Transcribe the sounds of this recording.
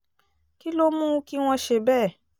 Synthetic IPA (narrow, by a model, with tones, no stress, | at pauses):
ki˦lo˦mũ˦ki˦w̃ɔ̃˧ʃe˧˨bɛː˦˨